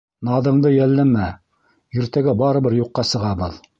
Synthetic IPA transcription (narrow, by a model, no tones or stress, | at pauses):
nɑðɤ̆ɴd̪ɤjælːæmæ | ĭɾt̪æɡæbɑɾɤ̆bɘɾjuqːɑsɤ̆ʁɑbɤ̰ð